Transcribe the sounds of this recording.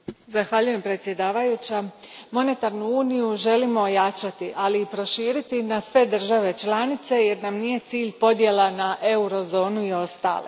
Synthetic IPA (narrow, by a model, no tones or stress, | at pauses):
zaxʋaʎuje̞mpɾe̞t̪sje̞d̪aːʋajut͡ɕamo̞ne̞t̪aɾnuuːnijuʒe̞limo̞ːjat͡ʃat̪iʔaliːpɾo̞ʃiːɾit̪inasʋe̞d̪r̩ʒaʋe̞t͡ʃlˠanit̪se̞je̞ɾnamnije̞t̪siːʎpo̞d̪je̞lˠanaʔe̞uɾo̞zo̞ːnuio̞st̪a̰ːlḛ